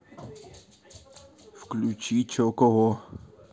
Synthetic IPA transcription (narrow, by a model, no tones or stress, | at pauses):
fklut͡ʃiːt͡ʃʰokoɦo